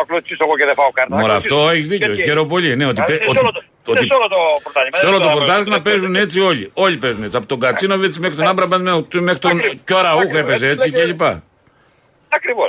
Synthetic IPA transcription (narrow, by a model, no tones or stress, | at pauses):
ɐklosisoɣoceðefɐokɐɾt̪ɐmoɾɐft̪o̞eçizðiceoçeɾo̞p̬olineo̞t̪ipeot | oiolot̪opoɾt̪ɐseolot̪opoɾt̪ɐzt̪inɐpe̞zune̞t͡sio̞ʎio̞ʎipe̞zune̞t͡siɐpot̪o̞ŋɡɐt͡sinoviet͡simexɾit̪onɐmbɾɐbɐmet̪mexɾit̪oncoɾɐuxe̞pe̞zee̞t͡sielipɐ | ɐkɾivos